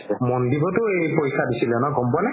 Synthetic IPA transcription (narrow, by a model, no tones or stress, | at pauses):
ɛmɔndibɔtʊejpojkʰadisilɛnɔɡɔmpwanɛ